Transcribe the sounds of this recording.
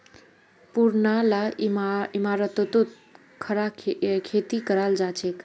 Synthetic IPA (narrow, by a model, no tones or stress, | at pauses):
puɾnalamimaɾət̪ot̪ot̪ | kʰəɾakʰet̪ikəɾald͡ʒat͡ʃʰek